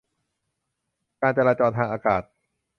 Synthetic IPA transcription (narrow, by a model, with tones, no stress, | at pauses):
kaː˧nt͡ɕaː˧laː˧t͡ɕɔː˧t̪ʰaː˧ŋʔaː˧kaː˨˩t̪̚